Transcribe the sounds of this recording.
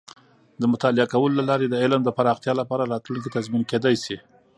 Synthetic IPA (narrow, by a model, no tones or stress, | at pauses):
d̪əmʊt̪ɑlɪakawəlolalɑɾed̪əɪlmd̪əpaɾɑxt̪jɑlapɑɾaɾɑt̪lunk̬it̪azminked̪ɑjsi